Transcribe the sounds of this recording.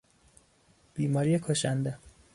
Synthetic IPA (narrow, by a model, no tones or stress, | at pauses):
b̥iːmɒːɾijekʰoʃænd̪e